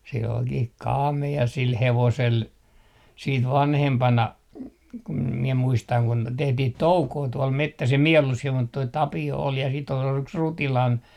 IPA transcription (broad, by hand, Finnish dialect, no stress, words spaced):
se olkih kɑːmeɑ sil heʋosel siːt ʋɑnhempɑnɑ kum miɛ muistɑŋ kun tehtih toukoː tuol metːæs em mie olːus siel mut toi tɑpio ol jɑ sit ol yks r rutilɑn